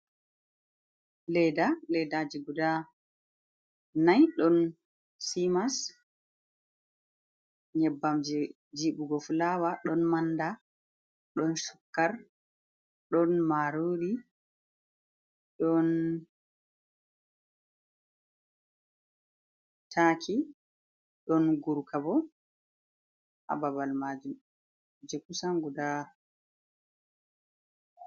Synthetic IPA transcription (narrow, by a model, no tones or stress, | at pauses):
lɛjdalɛdad͡ʒiɡuda | najɗɔn | simas | ɲɛbːamd͡ʒɛ | d͡ʒiɓuɡɔfulawaɗɔnmanːda | ɗɔnsu̥kːaɾ | ɗɔnmaɾuɾi | ɗɔn | tʰakʰi | ɗɔnɡuɾkʰabɔ | ʔa̰babalmad͡ʒum | d͡ʒekusamɡudaːɾ